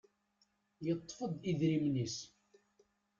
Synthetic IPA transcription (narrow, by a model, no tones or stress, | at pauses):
jət̪ˤːfəd̪ˤiðɾimnis